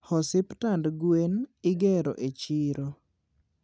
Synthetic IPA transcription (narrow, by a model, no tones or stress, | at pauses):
hɔsɪptandɡwenɪɡɛɾɔ̰ʔet͡ʃiɾo